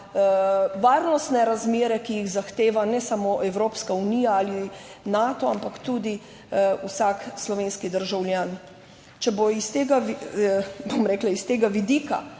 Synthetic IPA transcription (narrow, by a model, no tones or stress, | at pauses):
ʋaːɾnɔst̪nɛɾazmeːɾɛkijiɣzaxt̪eːʋanɛsamoʔɛwɾoːpskauniːjaalinat̪ɔampakt̪ud̪i | usakslɔʋeːnskid̪əɾʒawljaːn | t͡ʃɛboist̪eːɡaʋi | bomɾɛːklaist̪eːɡaʋid̪iːka̰